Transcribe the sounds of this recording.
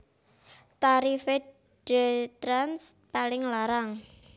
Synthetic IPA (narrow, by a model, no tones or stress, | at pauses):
t̪aɾife | ɖ̥et̪ɾanspalɪŋlaɾaŋ